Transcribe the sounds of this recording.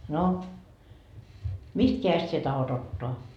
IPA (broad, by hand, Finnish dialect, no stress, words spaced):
no mist keæjest sie tɑhot otːoɑ